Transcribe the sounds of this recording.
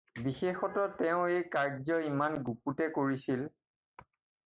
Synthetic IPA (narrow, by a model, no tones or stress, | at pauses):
bixexɔtɔtɛʊ̃ejkaɹzɔimanɡuputɛkoɹisil